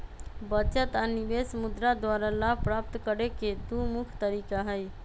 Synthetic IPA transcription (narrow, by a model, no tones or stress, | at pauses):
bət͡ʃət̪anibesəmud̪ɾad̪waɾalapɾap̚t̪kəɾeked̪umukʰt̪əɾikaɦəj